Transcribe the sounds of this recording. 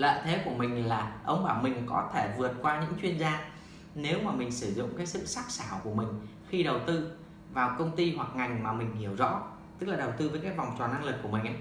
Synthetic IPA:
lə̰ː˧˨t̪ʰe˨˦ku˧˩əmï˨˩ŋ̟laː˨˩ʔə˧wŋ͡mɓaː˧˩wmï˨˩ŋ̟kɔ˨˦t̪ʰe˧˩vɨ˨˩ət̚kwaː˧ɲɨ̰˧˥ŋt͡ɕwi˧ənzaː˧ | ne˨˦wmaː˨˩mï˨˩ŋ̟sɨ˧˩zʊ̰˧˨ŋ͡mkaː˨˦jsɨ̰˧˨saː˦˥k̚saː˧˩wku˧˩əmï˨˩ŋ̟ | xi˧ɗə˨˩wt̪ɨ˧ | vaː˨˩wkə˧wŋ͡mt̪i˧hwa˨˩k̚ŋa˨˩jŋ̟maː˨˩mï˨˩ŋ̟hi˧˩əwzɔ̰˧˥ | t̪ɨ˦˥k̚laː˨˩ɗə˨˩wt̪ɨ˧vəː˨˦jkaː˨˦jva˨˩wŋ͡mt͡ɕɔ˨˩na˧ŋlɨ˨˩k̚ːu˧˩əmï˨˩ŋ̟ʔa˨˦j

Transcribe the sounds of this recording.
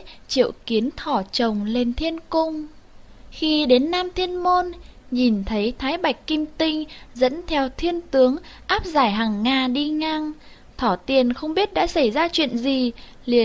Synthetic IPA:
t͡ɕḭ˧˨əwki˨˦ənt̪ʰɔ˧˩t͡ɕə˨˩wŋ͡mle˧˩nt̪ʰi˧ənkʊ˧ŋ͡m | xi˧ɗe˨˦nːaː˧mt̪ʰi˧ənmo˧nɲi˨˩nt̪ʰə˨˦jt̪ʰaː˨˦jɓa˨˩jk̟̚kːi˧mt̪ï˧ŋ̟zə̰˧˥nt̪ʰɛ˧wt̪ʰi˧ənt̪ɨ˨˦əŋʔaː˦˥p̚zaː˧˩jɦaː˨˩ŋːaː˧ɗi˧ŋa˧ŋ | t̪ʰɔ˧˩t̪i˨˩ənxə˧wŋ͡mɓi˦˥ət̚ɗa̰ː˧˥sa˧˩jzaː˧t͡ɕwḭ˧˨ənzi˨˩ | li˧˩ə

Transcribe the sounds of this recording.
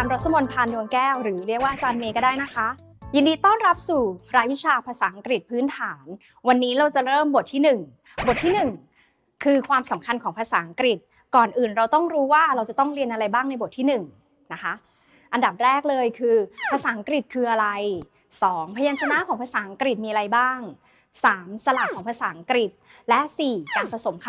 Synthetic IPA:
taː˧mɾa˦˥t̪̚ʰːa˧mo˧npʰaː˧ndu˧əŋkɛː˥˩wɾɯː˩˦ɾi˥˩ək̚waː˥ʔa˧t͡ɕaː˧nmeː˧kɔ˥˩daː˥˩jna˦˥kʰa˦˥ | jiː˧ndiː˧t̪ɔː˥˩nɾa˦˥p̚suː˨˩ɾaː˧jwi˦˥t͡ɕʰaː˧pʰaː˧saː˩˦ʔa˧ŋkɾi˨˩t̪̚pʰɯː˦˥nt̪ʰaː˩˦n | wa˧nːiː˦˥ɾa˧wt͡ɕa˨˩ɾɤː˥˩mbo˨˩t̪ʰːiː˥˩nɯ˨˩ŋ | bo˨˩t̪ʰi˥˩nɯ˨˩ŋ | kʰɯː˧kʰwaː˧msa˨˩˦mkʰa˧nkʰɔː˩˦ŋpʰa˧saː˩˦ʔa˧ŋkɾi˨˩t̪̚ | kɔː˨˩nʔɯː˨˩nɾa˧wt̪ɔ˥˩ŋɾuː˦˥waː˥˩ɾa˧wt͡ɕa˨˩t̪ɔ˥˩ŋɾi˧ənʔa˧ɾa˧jbaː˥˩ŋna˧jbo˨˩t̪ʰiː˥˩nɯ˨˩ŋ | na˦˥kʰa˦˥ʔ | ʔa˧nda˨˩p̚ɾɛː˥˩k̚lɤː˧jkʰɯː˧pʰa˧saː˩˦ʔa˧ŋkɾi˨˩t̪̚kʰɯː˧ʔa˧ɾa˧j | sɔː˩˦ŋpʰa˧jaː˧nt͡ɕʰa˧na˦˥ʔkʰɔː˩˦ŋpʰa˧saː˩˦ʔa˧ŋkɾi˨˩t̪̚miː˧ʔa˧a˧jbaː˥˩ŋ | saː˩˦msa˧la˨˩kʰɔː˩˦ŋpʰa˧saː˩˦ʔa˧ŋkɾi˨˩t̪̚ | lɛ˦˥ʔsiː˨˩kaː˧npʰa˧so˩˦mkʰ

